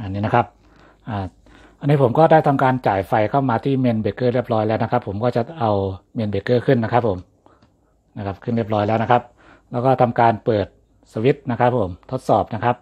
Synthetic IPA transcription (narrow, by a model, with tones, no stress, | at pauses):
ʔa˧nːiː˦˥na˦˥kʰa˦˥p̚ | ʔaː˨˩ | ʔa˧nːiː˦˥pʰo˩˦mkɔː˥˩daː˥˩jt̪ʰa˧mkaː˧nt͡ɕaː˨˩jfa˧jkʰa˥˩wmaː˧t̪ʰiː˥˩me˧nbe˨˩kːɤː˥˩ɾi˥˩p̚ɾɔː˦˥jlɛː˦˥wna˦˥kʰa˦˥pʰːo˩˦mkɔː˥˩t͡ɕa˨˩ʔa˧wme˧nbe˨˩kːɤː˥˩kʰɯ˥˩nːa˦˥kʰa˦˥pʰːo˩˦m | na˦˥kʰa˦˥p̚kʰɯ˥˩nɾi˥˩əp̚ɾɔː˦˥jlɛː˦˥wna˦˥kʰa˦˥p̚ | lɛː˦˥wkɔː˥˩t̪ʰa˧mkaː˧npɤː˨˩t̪̚ | sa˧wi˦˥t̪̚na˦˥kʰa˦˥pʰːo˩˦mt̪ʰo˦˥t̪̚sɔː˨˩p̚na˦˥kʰa˦˥p̚